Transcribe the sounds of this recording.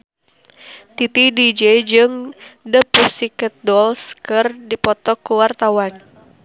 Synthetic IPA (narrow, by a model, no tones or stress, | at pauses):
t̪it̪idid͡ʒɛd͡ʒɨŋdəpusikət̪̚dɔlskərdipɔt̪ɔkːuwart̪awan